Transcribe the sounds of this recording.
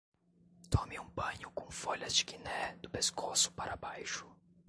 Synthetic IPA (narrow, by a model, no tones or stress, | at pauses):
t̪ɔ̃miũbɐ̃ɲʊkõfɔʎɐzd͡ʒɪɡinɛd̪ʊpeskʰosʊ̥paɾabajʃʊ̥